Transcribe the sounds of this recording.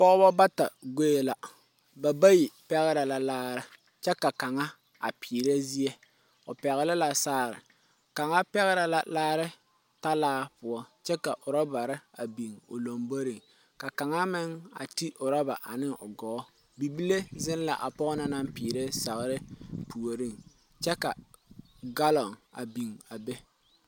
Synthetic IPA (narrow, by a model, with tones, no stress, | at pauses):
pɔ˦ɣʊ˦ba˦ba˦ta˨ɡe˦e˨la˨ | ba˨ba˦ji˨pɛ˦ɣɪ˦ɾa˨la˨laː˦ɾɪ˦ | t͡ʃɛ˦ka˨ka˨ŋa˦ | a̰˨piː˨ɾe˦zi˦e˦ | ʊ˨pɛ˨ɣɪ˨lɪ˦la˨saː˦˨ɾɪ̰˨ | ka˨ŋa˦pɛ˦ɣɪ˦ɾa˨la˨laː˦ɾɪ˦ | ta˦laː˦pʊ˨ɔ˦t͡ʃɛ˦ka˨ʔʊ˨ɾɔ˦ba˨ɾɪ˦a˨bi˨ŋʊ̰˨lo˨mbo˦ɾi˨ŋ | ka˨ka˨ŋa˦mɪ˦ŋa̰˨ti˦ʔʊ˨ɾɔ˦ba˨ʔa˨nɪ˦ŋʊ˨ɡɔː˨˦ | bi˨bi˦le˦zɪ˦n˦la˨ʔa˨pɔ˦ʔna˦na˦mpiː˨ɾe˦sa˨ɣɾɪ˦pu˨o˨ɾi˦ŋ | t͡ʃɛ˦ka˨ | ɡa˦lɔ˨ŋa̰˨bi˨ŋa˨be˦